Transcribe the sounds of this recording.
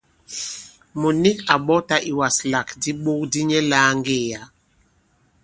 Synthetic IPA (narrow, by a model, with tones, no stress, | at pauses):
mo˨ni˦ka˨ɓɔ˦ta˦ʔi˨wa˨sla˨kdi˦ɓo˦kdi˦ɲɛ˦laː˨˦ŋɡe˦˨ja˨˦